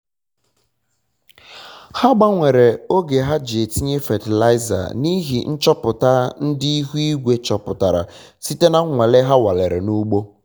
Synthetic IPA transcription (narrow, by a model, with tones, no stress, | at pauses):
ha˦ɡ͡ba˦ŋʷe˨ɾe˨o˦ɡe˨ɦa˦d͡ʒe˨ti˦ɲe˦fa˨ti˨la˦ɪ˦za̰˨ni˦ɦḭ˨n̩˦t͡ʃɔ˦pʊ˨ta˦n̩˦dɪ˦i˦ɦu˦i˦ɡʷe˦t͡ʃɔ˨pʊ˨ta˨ɾa̰˨ | si˦te˦na˦ŋʷe˨le˦ɦa˦wa˨le˨ɾḛ˨nu˦ɡ͡bo˦